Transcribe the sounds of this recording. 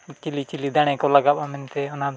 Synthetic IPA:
t͡ʃilit͡ʃilid̪aɽ̃ɛ̃kɔlaɡaɓamɛnt̪ɛɔnad̪

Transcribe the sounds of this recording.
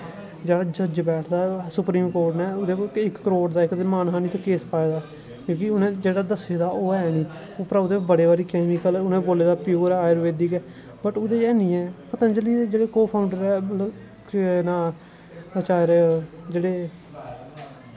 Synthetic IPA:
d͡ʒeːɽaːd͡ʒəd͡ʒbɛːʈʰd̪aːsʊpɾiːmkoːɾʈnɛːʊd̪eɪkːəɾoːʈd̪aːɪkd̪eːmaːnɦaːniːt̪ːkeːspaːeːd̪aː | kjõːkɪʊnẽːd͡ʒeːɽaːd̪əseːd̪aːoːɛːnĩː | oːpɾaːd̪eːbəɽeːaːɾiːkɛːmikəlʊnẽːboːleːd̪aːpɪjuːɾɛːaːjɾʋeːd̪iːkɛː | bəʈʊd̪eːɛːnĩːɛːpət̪ãːd͡ʒəliːed͡ʒeːɽeːkoːpʰaːʊ̃ɳɖəɾɛːl | naː | ət͡ʃaːɾɛd͡ʒeːɽeː

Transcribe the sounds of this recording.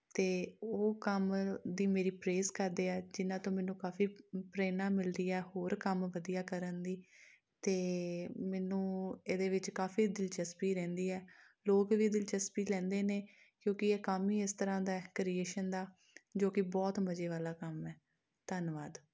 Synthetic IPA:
t̪eːoːkəmd̪iːmeːɾiːpɾeːskəɾd̪eːɛːd͡ʒɪnãːt̪õːmɛ̃ːnũːkaːfiːpɾeːnaːmɪlɾiːɛːɦoːɾkəmʋəd̪ijaːkəɾənd̪iː | t̪eːmɛːnũːeːd̪eːʋɪt͡ʃkaːfiːd̪ɪlt͡ʃəspiːɾɛ̃ːnd̪iːɛː | loːkʋiːd̪ɪlt͡ʃəspiːlɛ̃ːnd̪eːneː | kjõːkɪeːkaːmiːɪst̪əɾãːd̪aːɛkɾieːʃənd̪aː | d͡ʒoːkɪbɔːt̪məd͡ʒeːʋaːlaːkəmɛː | t̪ənʋaːd̪

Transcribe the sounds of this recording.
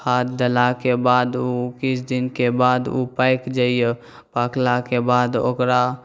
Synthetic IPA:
hat̪̚d̪əlakebad̪ukit͡ʃʰd̪inkebad̪upaɪkd͡ʒaije | paklakebad̪o̰kɾa

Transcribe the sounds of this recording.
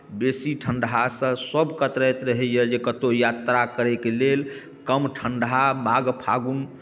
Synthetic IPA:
besiʈʰəɳɖɦasə̃səbkət̪ɾəjt̪ɾəɦɛjəd͡ʒekət̪ojat̪ɾakəɾɛkelel | kəmʈʰəɳɖɦamaɡpʰaɡun

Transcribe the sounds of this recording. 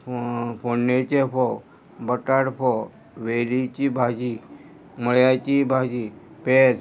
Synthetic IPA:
pʰonːet͡ʃepʰo | bəʈaɽpʰo | ʋeɾit͡ʃibʱad͡ʒi | məɭjat͡ʃibʱad͡ʑi | ped͡z

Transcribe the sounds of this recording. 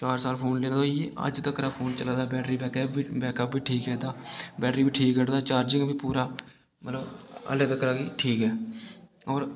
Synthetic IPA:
t͡ʃaːɾsaːlpʰoːnleːoeə̰d͡ʒt̪əkɾaːpʰoːnt͡ʃəlaːd̪aːbɛːʈɾiːbɛːkɛːpibɛːkəpbiːʈʰiːkɦɛːt̪aːbɛːʈɾiːbiːʈʰiːkːəʈd̪aːt͡ʃaːɾd͡ʒɪ̃ŋbiːpuːɾaː | mət̪ləbə̰leːt̪əkɾaːɡiːʈʰiːkɦɛː | ɔːɾ

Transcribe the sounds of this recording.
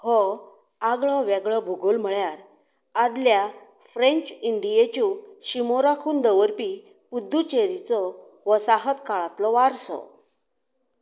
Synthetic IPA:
hɔ | aɡɭɔʋɛɡɭɔbʱuɡolm̤əɭjaɾ | ad̪ljafɾẽɲt͡ɕiɳɖijet͡ɕuɕimoɾakʰuːnd̪əʋəɾpi | pud̪ʱːut͡ɕeɾit͡sɔ | ʋəsaɦət̪kaɭat̪lɔʋaɾsɔ̰

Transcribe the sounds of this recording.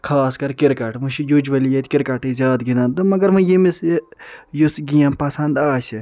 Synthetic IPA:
kʰaːskɐɾkɪɾkɐʈmuʃijud͡ʒʋɐlijet̪ʲkɪɾkaʈizʲjaːd̪ɡinaːnd̪umɐɡɐɾmɨ̃jimis | jusɡijɐ̃mpɐsɐnd̪aːsi

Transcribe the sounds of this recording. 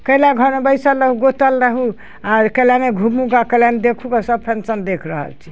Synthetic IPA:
kəjlaɡʱəɾmebəɪjsəlɾəɦuɡot̪əlːəɦu | aɾkəlaneɡʱumuɡakəlaned̪ekʰukasəb̚pʰensənd̪ekʰɾəɦə̰lt͡ʃʰi̥

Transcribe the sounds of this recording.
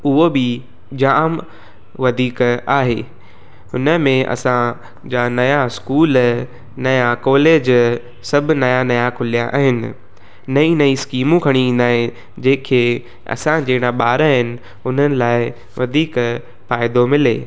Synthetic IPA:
ʊɦobɪ | d͡ʑaːm | ʋɐd̪ʱiːkaːɦeː | hʊnə̆mẽʔɐ̰sã | d͡ʑaːnɐjaskuːl | nɐjakɔːleːd͡ʑ | sɐb̆ʱnɐjanɐjakʰʊlijaʔa̰ːɦɪnɪ̰̆ | nɐĩnɐĩskiːmũkʰɐɽ̃iĩːnd̪aːɦẽ | d͡ʑeːkʰeː | ɐ̰sãd͡ʑeːɪɽ̃aɓaːɾaɦɪnɪ̆ | ʊn̤ənɪ̆laːɪ | ʋɐd̪ʱiːk | faːɪd̪omɪleː

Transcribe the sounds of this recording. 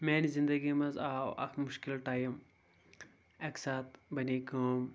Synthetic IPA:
meːnizind̪ɐɡimɐzaːwɐ̰kʰmʊʃkilʈaːjim | ɐksaːt̪bɐniːkɐːm

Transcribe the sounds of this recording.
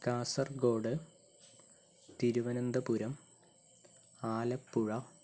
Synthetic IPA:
kaːsɐrɡo̞ːɖɨ | t̪iɾuʋɐnɐnd̪ɐpuɾɐm | aːlɐpːuɻɐ

